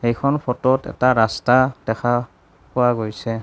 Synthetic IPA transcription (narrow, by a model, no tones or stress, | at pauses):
hejkʰɔnpʰɔtɔtɛ̰taɹastad̥ɛxʰa | powaɡojsɛ